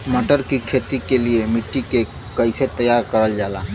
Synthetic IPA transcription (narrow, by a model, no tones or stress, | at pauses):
məʈəɾkikʰet̪ikeliemiʈːike | kəɪset̪əjaɾkəɾəld͡ʒala